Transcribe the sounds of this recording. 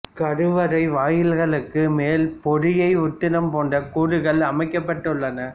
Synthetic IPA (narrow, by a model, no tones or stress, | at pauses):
kɐɽɯʋɐɾɐɪʋaːjɪlɣɐɭɯkːɯmeːlpɔɾɪjɐɪʊt̪ːɪnɐmpoːɳɖɐkuːɾɯɣɐɭɐmɐɪkːɐpːɐʈːɯɭːɐnɐ